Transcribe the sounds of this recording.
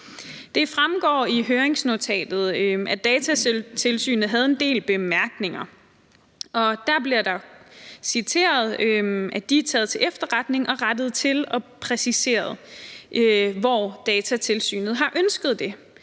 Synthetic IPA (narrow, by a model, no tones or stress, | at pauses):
d̥e̝fʁamɡ̥ɒ̰ːiɦøːɐeŋsno̝t͡sʰɛ̰ːd̥ð̩ˠʔæd̥ɛːt͡sʰæt͡sʰe̝lsy̰ːnð̩ˠɦæð̞̩ˠe̝nd̥e̝̰ːlb̥e̝mæɐɡ̥ne̝ŋɐ | ɒ̽d̥æɐb̥liɐd̥ɑ̈sit͡sʰe̝̰ːɐð̞ˠøæd̥it͡sʰɛ̰ːð̩ˠt͡sʰe̝efd̥ɐʁɑ̈d̥ne̝ŋʔɒ̽ʁad̥ð̞̩ˠt͡sʰe̝lɒ̽pʰʁɛsise̝̰ːɐð̞̩ˠʔøʋɒːd̥ɛːt͡sʰæt͡sʰe̝lsy̰ːnð̞̩ˠɦɑ̈ʔønsɡ̥əð̞̩ˠd̥e̝